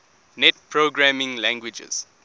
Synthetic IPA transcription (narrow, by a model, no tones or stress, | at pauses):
nɛt̚pʰɹoɡɹamĩŋlæ̃ŋɡwid͡ʒə̰z̥